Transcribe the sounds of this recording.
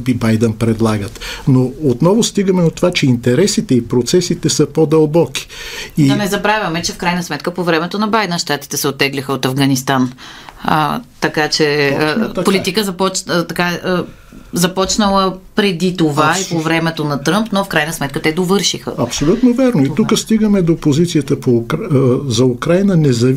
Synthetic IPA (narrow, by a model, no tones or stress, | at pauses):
bibajd̪ɛnpɾɛd̪lˠaɡət̪noot̪nɔvʊst̪iɡəmɛd̪ot̪ovat͡ʃɛint̪ɛɾɛsit̪ɛipɾot̪sɛsit̪ɛsəpod̪ɐlˠbɔki̥id̪ɐnɛzɐbɾavʲɐmɛt͡ʃɛfkɾajnəsmɛt̪kəpovɾɛmɛt̪onɐbajd̪ɛnʃt̪at̪i̥t̪ɛsɛot̪ːɛɡlʲixəot̪ɐvɡɐnist̪an̰ | t̪ɐkat͡ʃɛ | polit̪ikəzɐpɔt͡ʃt̪ɐka | zɐpɔt͡ʃnəlˠəpɾɛd̪it̪ovaipovɾɛmɛt̪onɐt̪ɾɤmpnofkɾajnəsmɛt̪̚kət̪ɛd̪ovɤɾʃixə̰ɐpsolʲut̪novɛɾnoit̪ukəst̪iɡəmɛd̪opozit̪siət̪əpo | zɐukɾajnənɛzɐ